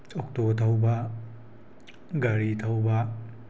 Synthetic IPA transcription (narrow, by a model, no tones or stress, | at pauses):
t͡ʃɔk̚tot̪ʰawba | ɡaɾitʰawba